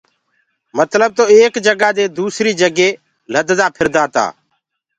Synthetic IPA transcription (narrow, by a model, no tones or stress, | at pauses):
mət̪ləb̚t̪oːeːkd͡ʒəɡaːd̪eːd̪uːsɾiːd͡ʒəɡeː | ləd̪d̪aːpʰɪɾd̪aːt̪a̰ː